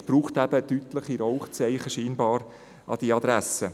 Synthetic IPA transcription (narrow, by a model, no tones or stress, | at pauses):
b̥ɾuːχtæb̥ət̪yt̪ləχiɾɔʊχt͡sɛɪχəʃiːnbɑːɾ | ʔɑ̰d̥iɑd̪ɾæsə